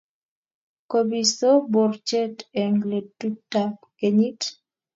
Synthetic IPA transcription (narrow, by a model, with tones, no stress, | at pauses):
ko˨bi˨so˦bo˨rt͡ʃɛ˦te˨ŋɡle˨tu˦tːa˨ | ke˨ɲi˦t